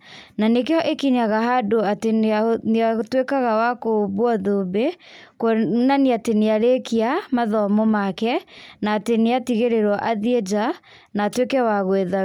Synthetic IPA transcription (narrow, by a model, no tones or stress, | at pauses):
nanekeɔʔekiɲaɣaɦadoateaneatwekaɣawakoβwɔðobekwɔnaniateneaɾekiamaðɔmɔmakɛnaːteneatiɣeɾeɾwɔʔaðied͡ʒa | naːtwekɛwaɣweða